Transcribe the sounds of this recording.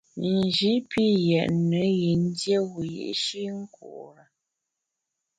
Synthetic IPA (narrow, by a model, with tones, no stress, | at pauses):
n̩˨d͡ʒi˨˦pʰi˦jɛ˨ʔnə˨˦ɣi˨n˦dje˦ɣu˨jḛ˨ʔʃi˦ŋ̩˦kṵ˨ʔɾə˨